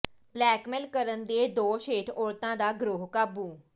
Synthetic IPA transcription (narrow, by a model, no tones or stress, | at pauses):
plɛːkmɛlkəɾənd̪eːd̪oːʃeːʈʰoːɾt̪ãːd̪aːɡɾoːɦkaːbuː